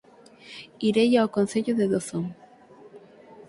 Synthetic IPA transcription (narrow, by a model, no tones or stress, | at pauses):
iɾejawkonθeʎoðeðoθoŋ